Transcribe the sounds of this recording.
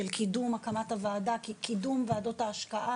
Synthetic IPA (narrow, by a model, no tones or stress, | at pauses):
elkʰidumakamathavaːdakikidumvaːdo̞thaːʃkaʔa